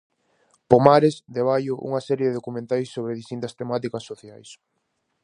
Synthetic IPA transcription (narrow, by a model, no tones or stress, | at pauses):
pomaɾesðeβ̞ajʊʔṵŋɐsɛɾjeðeðokumẽnt̪ajsːoβ̞ɾeðist̪int̪ɐst̪emat̪ikɐsːoθjajs